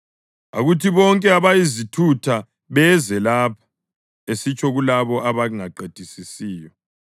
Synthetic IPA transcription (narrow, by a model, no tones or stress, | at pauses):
a̰ɣutʰiβɔŋkʼɛaβajizitʰutʰa | βɛzɛlaːpʰḁ | esit͡ʃʰʼɔɣulaβɔʔaβaŋaǃed̥ʱisisiːjɔ